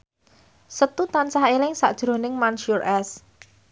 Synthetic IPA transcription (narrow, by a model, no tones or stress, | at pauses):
sət̪ut̪ansaɦelɪŋsa̰ʔd̥ʒ̥ɾo̤nɪŋmanʃurʔɛs